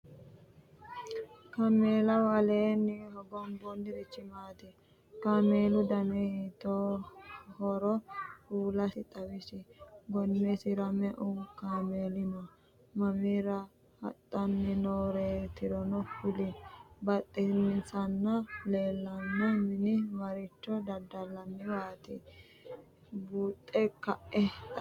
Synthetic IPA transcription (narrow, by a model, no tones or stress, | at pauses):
kameːlɐwɐleːnːɪhɔɡɔmbɔnːɪɾɛt͡ʃːɪmaːt̪ɪ | kameːlʊd̪ɐnɛhit̪o | hɔɾɔhuːlɐsɪt̪ʼɐwɪsɪɡɔnːɛsɪɾɐmɛʔʊkaːmeːlɪnɐ | mɐmiːɾɐ | hɐ̰t̪ʼːɐnːɛnoːɾeːt̪ɪɾɔnɔfʊlɪbɐt̪ʼːɛmɪnsɐnːɐleːlːɐnːɐmɪnɪwɐɾɪt͡ʃːɔd̪ɐd̪ːɐlːɐmːɪwaːt̪ɪ̰ | buːt̪ʼːɛkɐʔɛ